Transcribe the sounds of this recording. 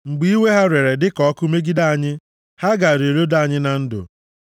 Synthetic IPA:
ŋ͡m̩˨ɡ͡bi˦i˦we˦ɦa˦ɾe˨ɾe˨dɪ˦kɔ˦ɔ˦kʊ˦me˦ɡi˦da˦a˨ɲɪ˦ | ha˦ɡa˨ɾe˨ɾo˦da˦a˨ɲɪ˦na˨n̩˦dʊ̰˨

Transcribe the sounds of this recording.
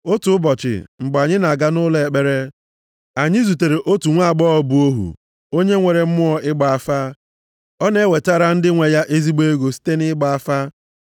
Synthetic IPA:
o˦tu˨˦bɔ˨t͡ʃɪ̰˨ŋ͡m̩˨ɡ͡ba˨ɲɪ˦na˨ɡa˦nʊ˦le˨e˨k͡pe˦ɾe˦ | a˨ɲɪ˦zu˨te˨ɾe˨ʔo˦tu˨ŋʷa˦˨ɡ͡bɔ˦ɔ˦bu˨o˦ɦṵ˨ | o˦ɲe˦ŋʷe˨ɾe˨m̩˦mʊ˦ɔ˦ʔɪ˦ɡ͡ba˨a˨fa˦ | ɔ˦ne˦we˨ta˦ɾa˦n̩˦dɪ˦ŋʷe˨ja˦ʔe˦zi˦ɡ͡be˦ɡo˨si̥˦te˦nɪ˦ɡ͡ba˨a˦fa˦

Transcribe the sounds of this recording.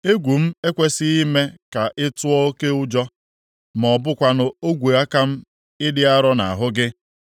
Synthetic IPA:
e˦ɡʷu˨m̩˦e˦kʷe˦sɪ˦i˦me˦ka˨ʔɪ˦tʊ˦ɔ˦o˦ke˦ʊ˦d͡ʒɔ˦ | m˨ɔ˨bʊ˦kʷa˦nʊ˨o˦ɡʷe˨a˦ka˦m̩˦ | ɪ˦dɪ˦a˦ɾɔ˦na̰˨a˨ɦʊ˦ɡɪ˦

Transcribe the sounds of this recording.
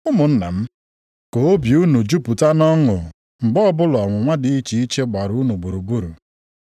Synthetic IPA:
ʊ˦mʊ˨n̩˦na̰˨m̩˦ | ko˨o˦bju˦nu˨d͡ʒu˦pu˨ta˦nɔ˦ŋʊ˨ | ŋ͡m̩˨ɡ͡bɔ˦bʊ˦lɔ˨ŋʷʊ˨ŋʷa˦dɪ˨i˦t͡ʃi˨i˦t͡ʃe˦ɡ͡ba˨ɾu˦nu˨ɡ͡bu˨ɾu˨ɡ͡bu˦ɾu˨

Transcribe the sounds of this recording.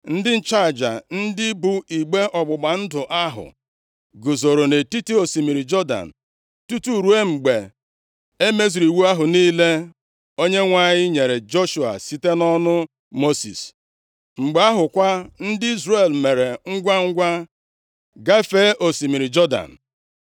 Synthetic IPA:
n̩˦dɪ˦n̩˦t͡ʃa˦˨d͡ʒa̰˨n̩˦dɪ˦bu˨i˨ɡ͡be˦ʔɔ˨ɡ͡bʊ˨ɡ͡ba˨n̩˦dʊ˨ʔa˦ɦʊ̰˨ | ɡʊ˨zo˨ɾo˨ne˨ti˦ti˦o˨si˨mi˨ɾi˨d͡ʒɔ˦da̰˨n̩˨ | tu˦tu˦˨ɾu˨˦e˦ŋ͡m̩˨ɡ͡be˨ | e˦me˦zi˨ɾi˨wu˦a˦ɦʊ˨niː˦le˦ | o˦ɲe˦ŋʷa˨ɲɪ˦ɲe˨ɾe˨d͡ʒo˦ʃu˨a̰˨si˦te˦nɔ˦nʊ˦ | mo˦sḭ˨s | ŋ͡m̩˨ɡ͡be˨a˦ɦʊ˨kʷa˦n̩˦dɪ˦i˦zre˨lme˨ɾe˨ŋ̩˦ɡʷa˦ŋ̩˦ɡʷa˦ | ɡa˦fe˦ʔo˨si˨mi˨ɾi˨d͡ʒɔ˦da̰˨n̩˨

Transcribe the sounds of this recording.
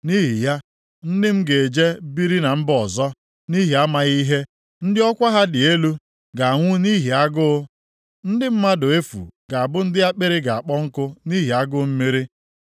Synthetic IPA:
ni˦ɦi˨ja˦ | n̩˦dɪ˦m̩˦ɡe˨e˨d͡ʒe˦bi˦ɾi˦na˨m̩˦bɔ˨zɔ˦ | ni˦ɦi˨a˦ma˦ɣi˦ɦe˦ | n̩˦dɪ˦ɔ˦kʷa˦ɦa˦dɪ˨e˦lu˦ | ɡa˨ŋʷʊ˦ni˦ɦi˨a˦ɡʊ˦ | n̩˦dɪ˦m̩˦ma˦dʊ˨e˦fṵ˨ɡ̥a˨a˨bʊ˦n̩˦dɪ˦a˦k͡pɪ˦ɾɪ˦ɡa˨a˨k͡pɔ˦ŋ̩˦kʊ˦ni˦ɦi˨a˦ɡʊ˦m̩˦me˦ɾi˦

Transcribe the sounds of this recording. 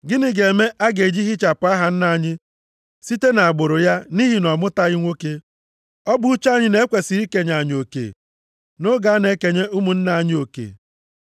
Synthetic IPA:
ɡɪ˦nɪ˨ɡe˨me˦ʔa˦ɡe˨d͡ʒi˦ɦi˦t͡ʃa˨pʊ˨˦a˦ɦa˨n̩˦na˨ɲɪ˦ | si˦te˦na˨a˨ɡ͡bʊ˨ɾʊ˨ja˦ni˦ɦi˨nɔ˨mʊ˦ta˦i˦ŋʷo˦ke˦ | ɔ˦bʊ˦u˦t͡ʃa˦˨ɲɪ˨ne˦kʷe˨si˨˦i˦ke˨ɲa˨ɲ˨o˨kḛ˨ | nʊ˦ɡa˦ne˦ke˨ɲe˦u˦mu˨n̩˦na˨ɲɪ˦o˨kḛ˨

